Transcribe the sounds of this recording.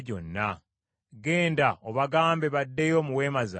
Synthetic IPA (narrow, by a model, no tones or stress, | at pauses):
ɟo̞nːa | ɡe̞ːndaoβaɡaːmbe̞βadːejo̞ːmuwe̞ːmaza̰